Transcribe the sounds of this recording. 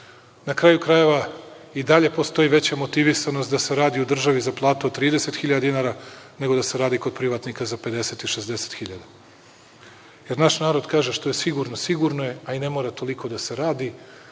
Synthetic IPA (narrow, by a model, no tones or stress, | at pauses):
nakɾaːjukɾaje̞ʋa | id̪aʎe̞po̞st̪o̞jiʋe̞t͡ɕamo̞t̪iʋisanost̪d̪ase̞ɾaːd̪iud̪r̩ʒaʋizaplˠaːt̪uod̪t̪ːɾiːd̪ese̞t̪xiʎad̪inaːɾane̞ɡo̞d̪ase̞ɾaːd̪iko̞d̪pɾiʋat̪nikazape̞d̪e̞set̪iʃezd̪ese̥t̪xiʎad̪a | je̞ɾnaʃnaːɾo̞d̪kaːʒe̞ʃt̪o̞jesiɡuɾno̞siɡuɾnoje̞aine̞mo̞ːɾat̪o̞liko̞d̪ase̞ɾaːd̪i